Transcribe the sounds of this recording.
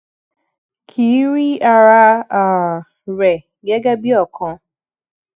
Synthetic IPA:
kʰi˨˦ɾi˦a˦ɾa˦a˨ | ɾɛ˨ | ɡɛ˦ɡa˦bi˦ɔ˦˨kʰɔ̃˨

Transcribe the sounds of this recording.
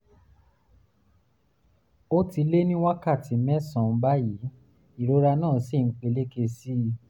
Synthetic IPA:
o˦ti˧le˦nĩ˦wa˦ka˦˨ti˨˦mɛ̃˦sã˨m̩˦ba˦ji˨˦ | i˦˨ɾo˨˦ɾa˧nãː˦˨si˦˨n̩˦k͡pe˧le˦ke˧si˦

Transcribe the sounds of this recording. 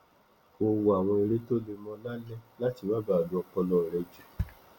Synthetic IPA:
o˧wa˨w̃ɔ̃˧e˧ɾe˦to˦le˧mɔ̃˧la˦lɛ̃˦la˦ti˧˨mã˦ba˦˨a˨du˨˦ɔ˧kɔ˧lɔ˦˨ɾɛ˨˧d͡ʒɛ˨

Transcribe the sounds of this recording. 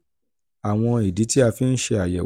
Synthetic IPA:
a˨w̃ɔ̃˧i˨di˨˦ti˦a˧fi˧n̩˦ʃe˧a˨jɛ̰˨

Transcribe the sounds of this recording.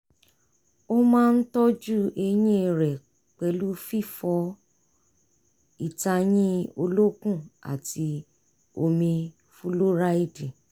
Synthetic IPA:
o˦mãː˦˧n̩˦tɔ˦d͡ʒu˦e˧j̃ĩ˦˨ɾɛ˨ | k͡pɛ˧lu˦fi˦˨fɔ˧ | i˦˨ta˧j̃ĩ˦o˧lo˦kũ˦˨a̰˨ti˧ | o˧mĩ˧ | fu˧˦lo˦ɾa˦i˦˨dĩ˨

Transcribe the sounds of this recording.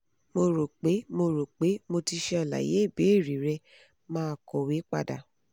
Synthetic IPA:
mo˧ɾo˨k͡pe˨˦mo˧ɾo˨k͡pe˨˦mo˧ti˧ʃɛ˦˧a˨la̰˨jḛ˨˦i˦˨be˨˦i˦˨ɾi˨ɾɛ˧ | mãː˦˨kɔ˨we˨˦k͡pa̰˧da̰˨

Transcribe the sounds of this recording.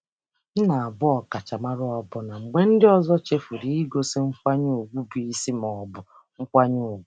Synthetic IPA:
n̩˦na˨a˨bʊ˦ɔ˨ka˨t͡ʃa˨ma˦ɾʊ˦ɔ˨bʊ˨na˨ŋ͡m̩˨ɡ͡be˦n̩˦dɪ˦ɔ˦zɔ˦t͡ʃe˦fu˨ɾi˦i˦ɡo˦sɪ˦ŋ͡m̩˦kʷa˦ɲu˦u˨ɡʷu˦bi˨i˦si˦m˨ɔ˨bʊ˨ | ŋ̩˦kʷa˦ɲu˦˨ɡʷu˨˦

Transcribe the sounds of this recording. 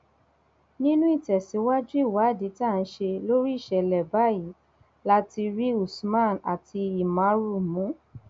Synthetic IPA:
nĩ˦nũ˦i˦˨tɛ˨sĩ˨˦wa˦d͡ʒu˦i˦˨wa˨˦˨di˨˦ta˦˨n̩˦ʃe˧lo˦ɾi˦i˦˨ʃɛ˨lɛ˨ba˨˦ji˨˦ | la˦ti˧ɾi˦u˨smã˦˨na̰˨ti˧i˨mã˨˦ɾu˦˨mũ˨˦

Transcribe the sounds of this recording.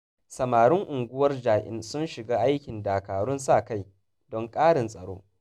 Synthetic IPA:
sɐ˨maː˨ɽʊ˦ŋʔʊ˨ŋɡʷʊ˦wɐ˦rd͡ʒaː˨ʔɪ̰˦nsʊ˦nʃɪ˨ɡaː˦ʔa˦jkʲɪ˨ndaː˨kaː˨ɽʊ˦nsaː˦˨ka˦j | dɔ˦ŋkʼaː˦ɽɪ˨nsʼɐ˨ɽo̰ː˦

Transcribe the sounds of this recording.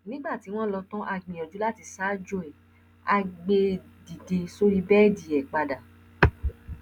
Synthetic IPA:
nĩ˦ɡ͡ba˦˨ti˨˦w̃ɔ̃˦˨lɔ˧tɔ̃˦ʔa˧ɡ͡bĩ˨ɔ˨d͡ʒu˨˦la˦˨ti˧saː˦d͡ʒo˦ɛ˨ | a˧ɡ͡be˧di˨de˨so˦ɾi˦bɛː˦˨di˨ɛ˨k͡pa˨da˨

